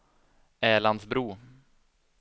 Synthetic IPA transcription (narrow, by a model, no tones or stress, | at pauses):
ɛːɭand̪sbɾuː